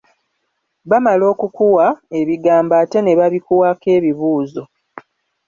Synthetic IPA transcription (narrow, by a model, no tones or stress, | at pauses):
βamalo̞ːkukuwae̞βiɡaːmbaːte̞ne̞βaβikuwake̞ːβiβuːzo̞